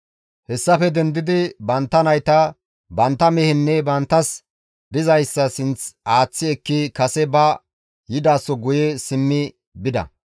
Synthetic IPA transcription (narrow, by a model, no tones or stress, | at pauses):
hɛsːɐfɛd̪ɛnd̪ɪd̪ɪbɐnt̪ːɐnɐjt̪ɐ | bɐnt̪ːɐmɛhɪnːɛbɐnt̪ːɐs | d̪ɪzɐjsːɐsɪnt͡saːt͡sːɪɛkːɪkɐsɛbɐ | jɪd̪aːsːɔɡʊjesɪmːɪ | bɪd̪ɐ̰